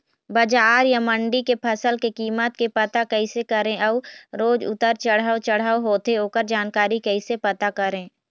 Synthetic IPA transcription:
bɐd͡ʒaːɾjamə̃ɳɖikepʰɐsəlkekiːmət̪kepɐt̪akəisekəɾẽʔɔːɾoːd͡ʒʊ̰t̪əɾt͡ʃəɽ̤aːot͡ʃəɽ̤aːoɦoːt̪eɦoːkəɾd͡ʒaːnkaːɾikɐisepɐt̪akɐɾẽː

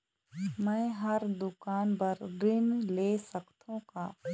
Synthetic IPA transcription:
mɛ̃ːɦɐɾd̪ʊkaːnpɐɾɾɪnleːsəkt̪ʰõkaː

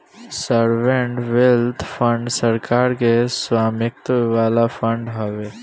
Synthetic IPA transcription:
səɾʋẽɳʈʋelt̪ʰfʰə̃ɳɖsəɾkaːɾkeswaːmɪk̚t̪ʋaːlafʰə̃ɳɖɦəʋe

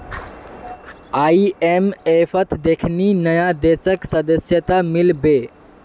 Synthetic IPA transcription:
aiemepʰət̪d̪ekʰninəjad̪esəksəd̪əsjət̪amilbe

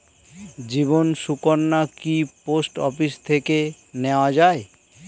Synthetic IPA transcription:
d͡ʑibonsukoɾnːakiposʈɔpist̪ʰeke | neoad͡ʑae

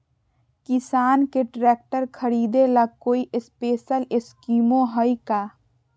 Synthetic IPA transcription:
kɪsaːnkeʈɾeːk̚ʈəɾkʰəɾiːd̪elaɡ̚koːiʔɪspeːʃəlɪskiːmõɦɔikaː

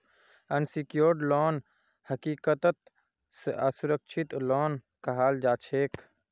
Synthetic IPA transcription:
ənsikijoːɾɖlɔːn | həkiːkət̪ət̪ | səsuɾəkʃʰit̪lɔːnkɐɦaːld͡ʒaːt͡ʃʰeːk

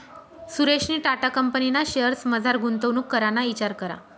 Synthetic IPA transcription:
suɾeɕniːʈaʈakəmpəninaɕeəɾsməd͡zʱaɾɡʱunt̪əʋnuːkːəɾanait͡ɕaɾkəɾa̰

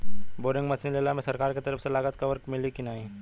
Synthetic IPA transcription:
boːɾɪ̃ŋɡmɐsʰɪnleːlamẽsɐɾkaːɾket̪ɐɾəfselaːɡət̪kɐʋəɾkmɪlikinaːĩː

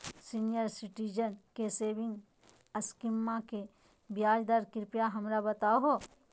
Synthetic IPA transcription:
sinijəɾsɪʈid͡ʒənkeseːʋɪ̃ŋɡ | ɐskimːãke | bjaːd͡ʒd̪aɾkɪɾpjaɦɐmɾabɐt̪aːɦo

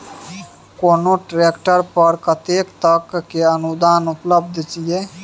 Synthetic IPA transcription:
konoʈɾekʈəɾpəɾkət̪ekt̪əkːeənud̪anupləb̚d̪ʱt͡ʃije

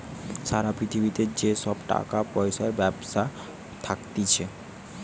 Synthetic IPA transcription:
ʃaɾapɾit̪ʰibit̪ed͡ʑeʃɔbʈa̰kapɔjʃaeɾbɛbʃa | t̪ʰakt̪it͡ɕʰe

